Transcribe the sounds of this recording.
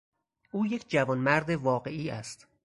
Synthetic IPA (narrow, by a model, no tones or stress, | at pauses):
ʔuːjekʰd͡ʒævɒːnmæɾd̪e̞vɒːɢe̞iːæst̪